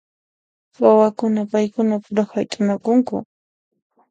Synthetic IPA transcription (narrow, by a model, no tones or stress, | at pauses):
wawakʊnapajkʊnapʊɾaxajt̪ʼʊnakʊŋkʊ̰